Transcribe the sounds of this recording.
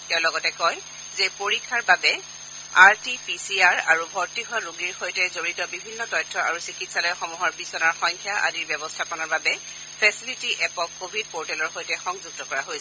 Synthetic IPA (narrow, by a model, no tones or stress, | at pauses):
tɛʊ̃lɔɡɔtɛkɔj | zepoɹikʰːaɹbabɛ | a̰ɹtipisiaɹaɹubʱɔɹtiɦɔɹuɡiɹxojtɛzoɹitɔbibʱinːɔtɔjtʰːɔa̰ɹusikitsalɔjxɔmuɦɔɹbisɔnaɹxɔŋkʰjaʔa̰diɹbjɔbɔstʰapɔnɔɹbabɛ | pʰɛsilitiʔɛpɔkːobʱid̚poɹtɛlɔɹxojtɛxɔŋzuɡ̚tɔkɔɹaɦojsɛ